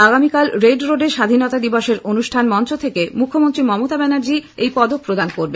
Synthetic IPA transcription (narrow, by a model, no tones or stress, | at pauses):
aɡamikalɾeɖɾoɖeɾʃad̪ʱinot̪ad̪ibɔʃeɾonuʃʈʰanmɔnt͡ɕot̪ʰekemukʰːomont̪ɾimɔmot̪abɛnaɾd͡ʑiejpɔd̪ok̚pɾod̪ankoɾbe